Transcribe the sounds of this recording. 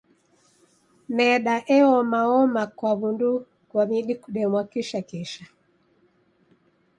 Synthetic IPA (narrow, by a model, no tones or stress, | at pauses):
mɛɗaʔɛɔmaɔmakwaβundu | kwamiɗikuɗɛmwakiʃakiʃa